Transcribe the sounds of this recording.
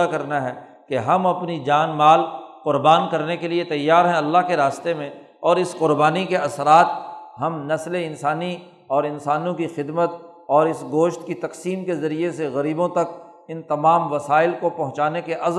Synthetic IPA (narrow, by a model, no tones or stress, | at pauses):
akɐɾnaɦɛː | keɦɐmɐpnid͡ʒaːnmaːlqʊɾbaːnkɐɾnekeliet̪ɐjːaːɾɦɛ̃ɐlːaɦkeɾaːst̪emẽ | ɔːɾɪsqʊɾbaːnikeɐsɾaːt̪̚ɦɐmnɐsleɪ̃nsaːni | ɔːɾɪnsaːnõkixɪd̪mət̪̚ | ɔːɾɪsɡoːʃt̪kit̪ɐqsiːmkezɐɾieseɣɐɾiːbõt̪ɐk | ɪnt̪ɐmaːmʋɐsaːɪlkopɐɦʊ̃t͡ʃaːnekeʔɐz